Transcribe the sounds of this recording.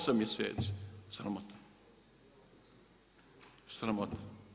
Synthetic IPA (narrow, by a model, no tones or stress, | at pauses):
samjesḛːt̪si̥sɾamot̪ʰḁ | sɾamot̪ḁ